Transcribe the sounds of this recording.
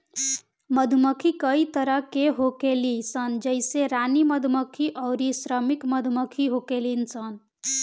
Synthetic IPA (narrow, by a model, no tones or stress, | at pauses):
məd̪ʱuməkʰikəit̪əɾəɦkeɦokelisənd͡ʒəɪseɾaniməd̪ʱməkʰiʔɔʊɾisɾəmikməd̪ʱməkʰiɦokelinsən